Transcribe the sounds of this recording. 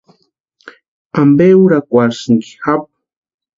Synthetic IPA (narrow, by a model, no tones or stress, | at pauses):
ambeuɾakʷaɾsiŋki̥xap̚